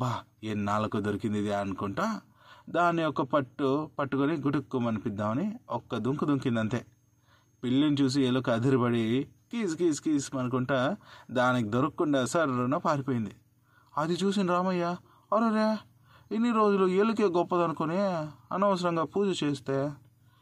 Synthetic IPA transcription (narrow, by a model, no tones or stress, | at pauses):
baːennaːlɐkod̪oɾukind̪id̪iɐnukuɳʈa | d̪aːnːiɔkːɐpɐʈːupɐʈːukoniɡuʈukːumɐnipid̪ːaːmɐniɔkːɐd̪uŋkud̪uŋkind̪ɐnt̪e̞ː | pilːinit͡ʃuːs̬ielukɐd̪ʱiɾibɐɽikiːskiskiːsmɐnuk̬uɳʈaːd̪aːnikid̪oɾɐkkːuɳɖaːsɐɾnɐpaːɾipoːjind̪i | ɐd̪it͡ʃuːs̬ind̪iɾaːmɐjːa | ɐɾoɾeː | enːiɾo̞ːd͡ʒulueluk̬eːɡɔpːɐd̪ɐnukuneːɐnɐʋɐs̬ɐɾɐŋɡaːpuːd͡ʒɐt͡ʃeːst̪eː